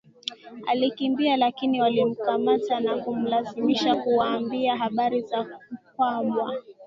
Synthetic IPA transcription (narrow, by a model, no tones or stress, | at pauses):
a̰likimbialakiniwalim̩kamatanakum̩lazimiʃakuwaːmbiaɦaɓaɾizaukwamwa